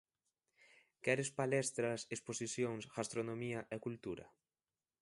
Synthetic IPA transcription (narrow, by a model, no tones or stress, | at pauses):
kɛɾɪspalɛst̪ɾɐsesposiθjoŋsɡ̥ast̪ɾonomiɐʔɛkult̪uɾɐ̰